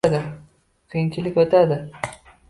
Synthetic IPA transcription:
d̪ɪ | qʰijɪŋt͡ʃʲʰɪlɪkʲot̪ad̪ɪ

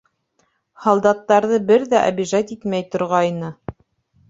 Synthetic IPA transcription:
hɑlˠd̪ɑt̪ːɑɾðɤbɘɾðæʔæ̰biʒɑt̪it̪mæjt̪ŏɾʁɑjnɤ

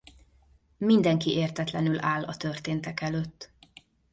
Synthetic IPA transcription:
mind̪ɛŋkiʔeːrt̪ɛt̪lɛnylaːlɒt̪ørt̪eːnt̪ɛkɛløːt̪ː

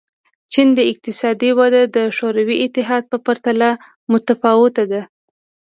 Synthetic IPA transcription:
t͡ʃind̪əɪq̚t̪ɪsɑd̪iwad̪ad̪əʃoɾawiʔɪt̪ːɪɦɑd̪̚pəpaɾt̪ala | mʊt̪afɑwʊt̪ad̪a

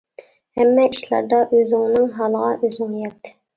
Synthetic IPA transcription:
hɛmːɛʔiʃlˠɑ̰ɾd̪ɑʔøzɪŋnɪŋɦɑlˠəʁɑʔøzɪŋjɛt̪ʰːɪ̥

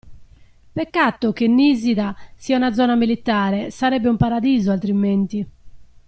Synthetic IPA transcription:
pɛkːat̪ːokenːiziðasiːaunad̪zːɔːnamilit̪aːɾɛsaɾɛbːeumpaɾad̪iːzoalt̪ɾiment̪i

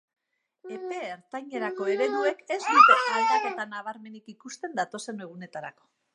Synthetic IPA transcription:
e̞pe̞ːɾt̪ajɲeɾako̞e̞βe̞nue̞ke̞sd̪ut̪eat̪at̪at̪anaβ̞aɾme̞nikikust̪e̞nd̪at̪o̞se̞ne̞ɣ̞une̞t̪aɾa̰ko̞̥

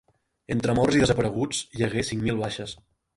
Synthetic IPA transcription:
ent̪ɾəmɔrziðəzəpəɾəɣ̞ud͡zʒəɣesiŋmilˠβaʃəs

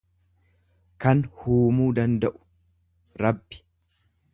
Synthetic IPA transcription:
kɐnhuːmuːd̪ɐnd̪ɐʔʊ̥ | ɾɐbːɪ̥

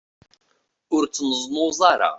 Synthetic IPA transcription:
ʊɾt͡sːnəzˤmʊzˤɑɾˤɑ̰

